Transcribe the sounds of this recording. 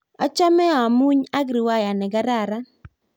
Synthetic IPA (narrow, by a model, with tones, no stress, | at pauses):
a̰˦t͡ʃa˦mɛ˦ɔ˨a˨mu˦ɲa˦ɡɾi˨wa˦ja˨nɛ˨ɡa˦ɾa˨ɾa˦